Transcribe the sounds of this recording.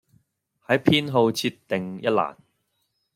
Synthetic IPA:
hɐ˨˥jpʰiː˥nɦo˧wt͡sʰiː˧t̪ːɪ˨ŋjɐ˥t̚la̰ː˨˩n

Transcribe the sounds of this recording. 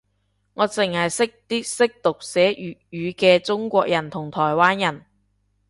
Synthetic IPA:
ŋɔː˨˧t͡sɪ˨˩ŋhɐ˨jsɪ˥k̚t̪iː˥sɪ˥k̚t̪ʊ˨k̚sɛː˨˥jy˨jyː˨˧kɛː˧t͡sʊ˥ŋkʷɔː˧k̚jɐ˨˩nt̪ʰʊ˨˩ŋt̪ʰɔː˨˩jwaː˥njɐ˨˩n

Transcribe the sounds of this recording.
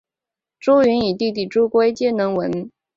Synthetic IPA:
ʈ͡ʂu˥y˧˥ni˨˩t̪i˥˧t̪̬i˥˩ʈ͡ʂu˥kwe˥ɪt͡ɕjɛ˥nɤ˧˥ŋwə˧˥n

